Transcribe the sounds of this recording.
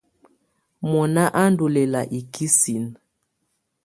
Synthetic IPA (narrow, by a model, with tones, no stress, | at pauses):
mɔ˨na˦ʔa˦n˦du˨lɛ˨la˨ʔi˨ki˦si˨n